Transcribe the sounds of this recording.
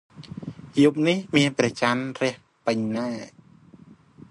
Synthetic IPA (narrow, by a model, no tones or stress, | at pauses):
jup̚nihmiənprɛt͡ɕanrɛ̆əh | pɨɲnaː